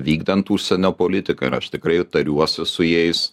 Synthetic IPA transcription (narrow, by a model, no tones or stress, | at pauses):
ʋʲiːɡd̪ɐnt̪uːʃʲsʲɛnʲoːpoːlʲɪt̪ʲɪkɐ̰ɪɾɐʃt̪ʲɪkɾɐɪt̪ɐɾʲuɔsʲɪsʊjɛɪs